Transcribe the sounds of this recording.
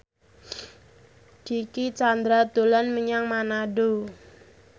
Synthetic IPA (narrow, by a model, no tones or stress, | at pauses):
d̥ikit͡ʃand̪ɾad̪̥o̤lanməɲaŋmanaɖo